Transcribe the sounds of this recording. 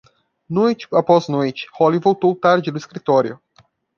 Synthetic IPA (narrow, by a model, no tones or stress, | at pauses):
nojt͡ʃɪ̥apɔznojt͡ʃɪ̥hɔlivowt̪owt̪aɾd͡ʒɪd̪ʊiskɾit̪ɔɾjʊ̰